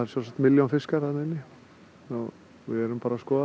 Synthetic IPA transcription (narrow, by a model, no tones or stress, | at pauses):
aɛɾsjɛsakt̪mɪljanfɪskaɾanɪnːɪ | ɔ | ʋɪðɛɾʏmpaːɾaskɔː